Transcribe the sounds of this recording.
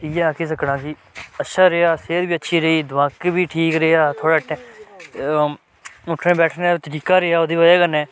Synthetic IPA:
ijaːkeːs̬əknãːkɪ | ətːʃʰaːɾeaːseːɾbiːətːʃʰiːɾəiːd̪ʋãːkbiːʈʰiːkɾeaːt̪ʰoːɽaːʈːɛ̃ː | ʊʈʰɾẽːbɛːʈʰnẽːt̪əɾiːkaːɾeːaːoːd̪eːʋəd͡ʒeːkənɛ̃ː

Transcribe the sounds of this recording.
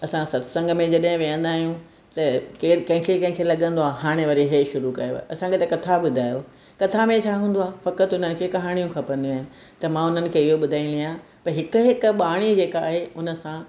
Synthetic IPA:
ɐsãsɐt̪sɐ̃ŋɡmẽd͡ʑɐɗɦɪ̃ʋijə̃nd̪aːɦijũ | t̪ɐkeːɾkɐ̃ɦɪ̃kʰekɐ̃ɦɪ̃kʰelɐɠə̃nd̪oaːɦaːɽ̃eʋɐɾiɦeʃʊɾukɐjoɐsãkʰet̪ɐkɐt̪ʰabʊd̪ʱaːjo | kɐt̪ʰamẽt͡ɕʰaːɦũːn̆d̪oaːfɐkət̪ʊn̤ənɪ̆kʰeːkɐɦaːɽ̃ijũkʰɐpəɾə̃nd̪iũaːɦɪnɪ̆ | t̪ɐmãʊn̤ənɪ̆kʰeːɪɦobʊd̪ʱaːĩliãpɐɾɦɪkʊɦɪkɓaːɽ̃id͡ʑeːkaːɦeʊnə̆sã

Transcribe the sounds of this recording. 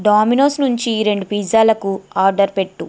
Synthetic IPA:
ɖaːminoːsnuɲt͡ʃiɾe̞ɳɖupiːd͡ʒaːlɐkuaːɾɖɐɾpe̞ʈːu

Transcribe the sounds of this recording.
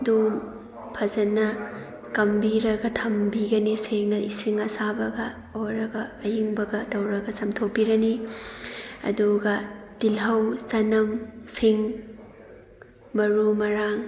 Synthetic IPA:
dum | pʰɐzɐnːɐ | kɐmbiɾɐɡɐtʰɐmbiɡɐniseŋnɐisiŋɐsabɐɡɐ | oɾɐɡɐːjiŋbɐɡɐtɐwɾɐɡɐsɐmtʰok̚piɾɐni | ɐ̰duɡɐd̥ilɦɐwt͡ʃɐnɐmsiŋ | mɐɾumɐɾaŋ

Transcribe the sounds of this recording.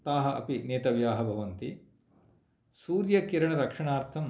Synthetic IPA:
t̪aːɦɐʔɐ̰pineːt̪ɐʋjaːɦɐbʱɐʋɐnt̪i | suːɾjɐkiɾɐɳɐɾɐkʂɐɳaːɾt̪ʰɐm

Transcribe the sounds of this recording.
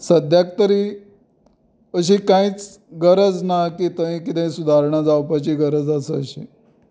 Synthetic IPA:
səd̪ʱjak̚t̪əɾi | əɕ̬ikãĩːt͡s | ɡəɾəd͡znakit̪əɦĩkit̪ə̃ĩsud̪ʱaɾɳad͡zawpat͡ɕiːɡəɾəd͡zasəəɕiː

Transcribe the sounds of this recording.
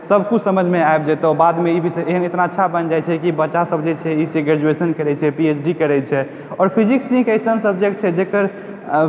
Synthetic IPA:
səbʱkusəməd͡ʒʱmeaeb̚d͡ʒɛt̪ɔbad̪meibisɛeɦənet̪naətːʃʰabənd͡ʒajt͡ʃʰɛkibətːʃasəbd͡ʒet͡ʃʰɛiseɡɾɛd͡ʒuesənkəɾɛt͡ʃʰɛpiet͡ʃʰɖikəɾɛt͡ʃʰɛ | ɔːɾpʰiziksĩŋkəsənsəbd͡ʒek̚ʈ̚t͡ʃʰɛd͡ʒekəɾ

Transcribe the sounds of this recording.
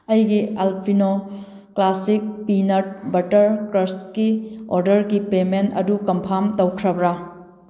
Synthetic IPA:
ɐjɡialpʰino | klasik̚pinɐt̚bɐtɐɾkɾɐskioɾdɐɾɡipementɐ̰dukɐmpʰamtɐwkʰɾɐbɾa

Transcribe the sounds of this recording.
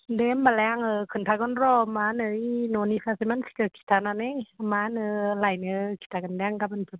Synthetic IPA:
dembalɛŋɯkʰɯnt̪ʰakɔnɾɔːmanɯinonifasimansi̥kəkʰi̥t̪ʰananemanɯlajnɯkʰi̥t̪ʰakɯndɛŋkapanpʰɯn

